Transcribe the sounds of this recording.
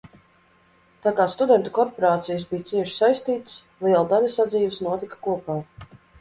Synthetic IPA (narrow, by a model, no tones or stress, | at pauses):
t̪aːkaːst̪ud̪ɛnt̪ukɔɾpɔɾaːt̪sijasbijt̪siɛʃsajst̪iːt̪s | lˠiɛlˠd̪alʲasad̪ziːvsnuɔt̪ikḁkuɔpaː